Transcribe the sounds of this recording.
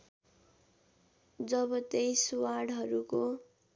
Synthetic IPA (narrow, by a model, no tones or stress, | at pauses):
d͡zʌbʌt̪ejswaɽɦʌɾuko